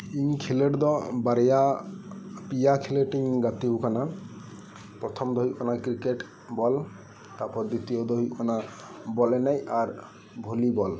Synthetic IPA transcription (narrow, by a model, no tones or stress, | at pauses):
iɲkʰileʈd̪ɔbaɾja | pijakʰileʈiŋɡat̪ibukana | pɾɔt̪ʰɔmd̪ɔɦiʔkɔnakɾikeʈ | bɔl | t̪apɔɾd̪it̪ijɔd̪ɔɦiʔkɔna | bɔlɛnajaɾ | bʱulibɔl